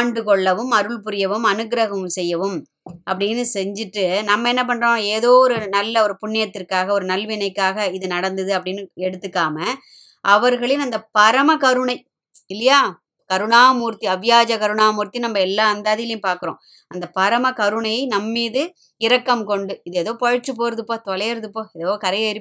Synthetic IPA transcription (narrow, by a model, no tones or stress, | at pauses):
aːɳɖɯkɔɭːɐʋɯmɐɾɯɭpʊɾɪjɐʋɯmɐnɯɡɾɐɣɐʋɯmsɛjːɐʋɯm | ɐpːɐɽɪnːɯsɛɲd͡ʒɪʈːɯnɐmːɐɛnːɐp̬ɐɳɖɾõeːðoːɔɾɯnɐlːɐɔɾɯpʊɳːɪjɐt̪ːɪrkːaːɣɐɔɾɯnɐlʋɪnɐɪkːaːɣɐɪðɯnɐɽɐnd̪ɯðɯɐp̬ːɐɽɪnːɯɛɽɯt̪ːɯkːaːmɐ | ʔɐʋɐɾɣɐɭɪnɐnd̪ɐpɐɾɐmɐkɐɾɯɳɐɪ | ɪlːɐjaː | kɐɾɯɳaːmuːɾt̪iɐʋjaːd͡ʒɐkɐɾɯɳaːmuːɾt̪ːinɐmːɐɛlːaːɐnd̪aːðɪjɪlɐjʊ̃mpaːɾkɯɾõ̰ː | ɐnd̪ɐpɐɾɐmɐkɐɾɯɳɐɪnɐmːiːðɯ | ɪɾɐkːɐmkɔɳɖɯɪðeːðoːpɔɻɐʈt͡ʃːɯpoːɾɐðɯpːoːt̪ɔlɐjɾɐðɯpːoːɛðoːkɐɾɐjɐɾɪ